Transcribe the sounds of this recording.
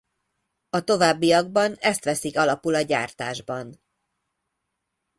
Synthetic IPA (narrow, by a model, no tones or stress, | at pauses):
ɒt̪o̞vaːbːijɒɡbɒnɛst̪ʋɛsikɒlɒpulɒɟa̰ːrt̪aːʒbɒn